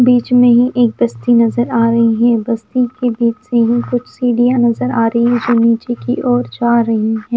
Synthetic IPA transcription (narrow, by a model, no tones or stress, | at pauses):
biːt͡ʃmẽɦĩʔeːk̚bɐst̪inɐzəɾaːɾɐɦiɦɛ̃ːbɐst̪ikebiːt͡ʃseɦikʊt͡ʃʰsiːɖijanɐzəɾaːɾɐɦiid͡ʒoːniːt͡ʃekiʔɔːɾd͡ʒaːɾɐɦiɦɛ̃ː